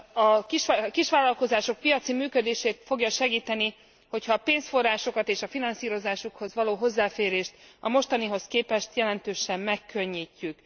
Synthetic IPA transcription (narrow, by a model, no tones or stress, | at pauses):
ɒkiʃkiʃʋaːlɒlko̞zaːʃo̞k̚pijɒt̪simyːkød̪eːʃeːt̪fo̞ɡjɒʃɛɡiːt̪ɛni | ho̞chɒːpeːnsfo̞raːʃo̞kɒt̪eːʃɒfinɒnsiːɾo̞zaːʃukho̞zʋɒloːɦo̞zːaːfeːɾeːʃt̪ɒmo̞ʃt̪ɒniɦo̞skeːpɛʃt̪jɛlɛnt̪øːʃɛmːɛkːø̞ɲːiːcːyk